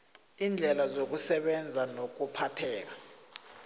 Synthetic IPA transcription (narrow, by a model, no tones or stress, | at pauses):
ind͡ɮʱɛlazok̬usɛɓɛnd͡zʱanok̬upʰatʰɛːk̬ḁ